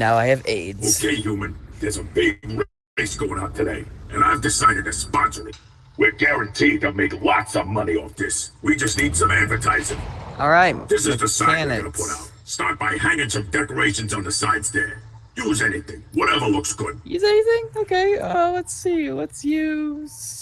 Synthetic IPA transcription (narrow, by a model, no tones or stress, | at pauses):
naʊaɪɨvḛɪdoʊkʰeɪjumɨ̃nðə˞zəbɪɡɹ | eɪsɡ̥oʊɪ̃ŋaʊtʰɨdeɪʔɨ̃naɪvdɨsaɪɾɨd̚ɨspɑ̃nsə˞ɨt̚ | wɪɡæɹɨ̃ntʰid̚ɨmeɪklɑtsʌvmʌniɔfðɪswid͡ʒʌstnid̥sʌ̃mædvə˞tʰaɪzɪ̃ŋɔɹaɪt̚ðɪsɨzðəsãɪ̃wʌnəpʰʊɾaʊt̚stɑɹt̚b̥aɪɦæ̃ŋɪ̃ŋsʌ̃mdɛkə˞eɪʃɨ̃n̩z̃n̩ðɨsaɪdzðə˞ | juzɛniθɪ̃ŋwʌɾɛvə˞lʊksɡ̥ʊd̥̚jɨzɛniθɪ̃ŋoʊkʰeɪowʌtsiwʌtsjʉz̥